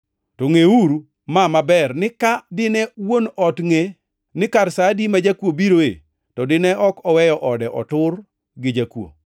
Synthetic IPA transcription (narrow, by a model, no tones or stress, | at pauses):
toŋeuɾu | mamabɛrnɪkadɪnɛwonɔtŋe | nɪkarsadimad͡ʒakwobiɾoḛ | tɔdɪnɛʔɔkɔwɛjɔʔɔdɛʔɔtʊr | ɡɪd͡ʒakwo̰